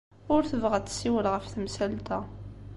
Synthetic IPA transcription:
ʊɾθəvʁæt͡sːsːiwəlʁəfθəmsælt̪æ

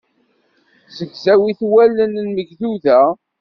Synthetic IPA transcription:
səʝzæwiθwælːənnməʝθuðæ

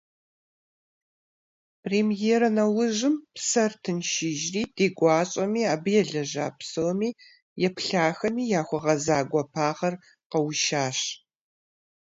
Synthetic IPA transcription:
pʰreːmjeːɾɐnɐwʊʒɨmpsɐrtʰɨnʃɪʒriːd̥eːɡʷɑːɕʼɐmiːaːbɨjɛɮɐʒaːpsɐwmiː | jɛpɬaːxɐmiːjaːxʷʊʁɐzaːɡʷɐpʰaːʁɐr | qɐwʃaːɕ

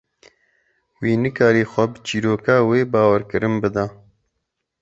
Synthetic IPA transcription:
wiːnɨkaːɾiːxʷɐbɨt͡ʃiːɾoːkaːweːbaːwaɾkɨɾɨnbɨd̪a

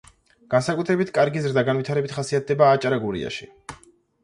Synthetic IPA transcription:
ɡ̥ansakʼut̪ʰɾɛbit̪ʰkʼaɾɡizɾd̪aɡanvwit̪ʰaɾɛbit̪χasiat̪̚ʰd̪ɛbaːt͡ʃʼaɾaɡuɾḭa̰ʃi

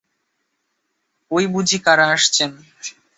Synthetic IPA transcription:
ojbud͡ʑʱikaɾaaʃt͡ɕʰen

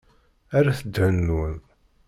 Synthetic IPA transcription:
aɾaθəd̪ənːun

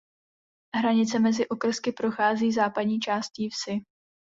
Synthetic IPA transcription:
ɦɾaɲɪt͡sɛmɛzɪʔo̞kr̩skɪpɾo̞xaːziːzaːpadɲiːt͡ʃaːst̪ciːfsɪ

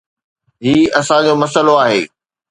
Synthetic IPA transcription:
ɦiːɐsãd͡ʑoːmɐsəloaːɦḛː

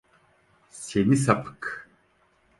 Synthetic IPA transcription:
seβisɐpʰk

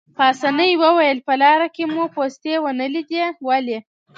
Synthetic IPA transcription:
pːsanəjwəwajəlpəlɑɾakemupost̪ewənəlid̪ewale

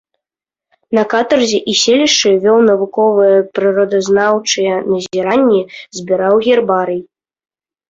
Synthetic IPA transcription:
nɐkat̪ɐrzʲɛʔisʲelʲiʂʂɨvʲɔwnɐvukɔvɨjɛpɾɨɾɔd̪ɐznawt͡ʂɨjɛnɐzʲiɾanʲːɛzʲbʲiɾawɣʲɛrbaɾɨj

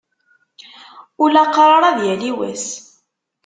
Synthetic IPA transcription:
ʊlæqɾˤɑɾˤɑðjæliwæ̰s

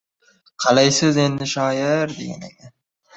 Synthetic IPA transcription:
qʰɑlajsɪze̞nd̪ɪʃɒːjɪɾd̪ḛɡʲa̰nḛkʲa

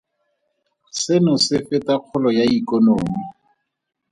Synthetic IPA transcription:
sɪnʊsɪfɪtaq͡χʰʊlɔjaikɔnoːmi

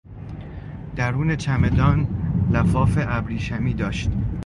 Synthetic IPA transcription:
d̪̥æɾuːne̞t͡ʃʰæme̞d̪ɒːnlæfɒːfeʔæbɾiːʃæmiːd̪ɒːʃt̪

